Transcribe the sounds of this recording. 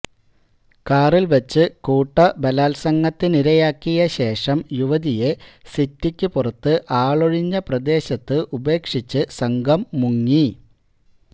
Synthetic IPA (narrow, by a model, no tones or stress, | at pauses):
kaːrilʋɐt͡ɕːɨkuːʈːɐbɐlaːlsɐŋːɐt̪ːiniɾɐjaːkːijɐɕe̞ːʂɐmjuʋɐðijesitːikʲːɨpurɐt̪ːɨʔaːɭoɻiɲːɐprɐd̪e̞ːɕɐt̪ːɨʔube̞ːkʂit͡ɕːɨsɐŋɡɐmːuŋːi